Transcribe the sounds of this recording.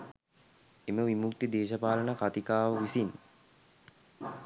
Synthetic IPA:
eməʋimukt̪id̪eːʃəpaːlənakat̪ikaːʋəʋisin

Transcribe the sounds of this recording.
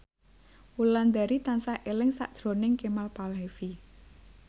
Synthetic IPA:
wuland̪aɾit̪ansaʔelɪŋsa̰ʔd̪̥ɾo̤nɪŋkemalpalɦefi

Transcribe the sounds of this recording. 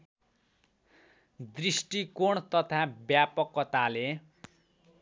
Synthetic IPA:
d̪risʈikoɳt̪ʌt̪ʰabjapʌkːʌt̪ale

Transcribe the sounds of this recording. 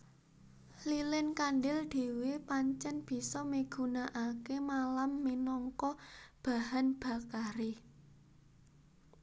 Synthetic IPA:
lilɪnkanɖɪld̪̥e̤wepaɲt͡ʃɛnb̥i̤sɔmiɡ̥ṳnaʔakemalamːinɔŋkɔb̥a̤ɦanb̥a̤kaɾe

